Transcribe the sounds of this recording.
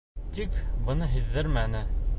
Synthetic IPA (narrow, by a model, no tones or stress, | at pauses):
t̪ikbɤ̆nɤɦiðːɘɾmænɘ